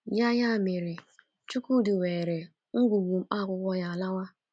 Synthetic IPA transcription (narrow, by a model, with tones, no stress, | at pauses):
ja˦ja˦˨mɪ˨ɾɪ˨ | t͡ʃu˦ku˦dɪ˨weː˨ɾe˨ | ŋ̩˦ɡʷu˨ɡu˨ŋ͡m̩˦k͡pa˦˨kʷʊ˦kʷɔ˦ja˨la˦wa˦